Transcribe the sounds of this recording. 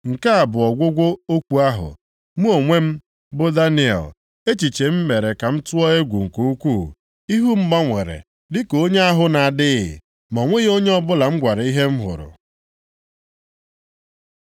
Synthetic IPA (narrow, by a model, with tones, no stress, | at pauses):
ŋ̩˨ka˦a˨bʊ˨ɔ˨ɡʷʊ˦ɡʷo˦o˦kʷu˦a˦ɦʊ̰˨ | mu˦o˨ŋʷe˦m̩˦ | bʊ˦da˦ni˦ɛ̰˨l | e˦t͡ʃi˨t͡ʃe˨m̩˦me˨ɾe˨ka˨m̩˦tʊ˦ɔ˦e˦ɡʷu˨ŋ̩˨ku˨u˦kʷu˦˨ | i˦ɦu˦m̩˦ɡ͡ba˦ŋʷe˨ɾḛ˨ | dɪ˦ko˦ɲe˦a˦ɦʊ˦na˨a˨dɪ˦ɪ̰˨ | mɔ˨ŋʷe˦ɣo˦ɲe˦ɔ˦bʊ˦la˨m̩˦ɡʷa˨ɾi˦ɦe˦m̩˦ɦʊ̰˨ɾʊ̰˨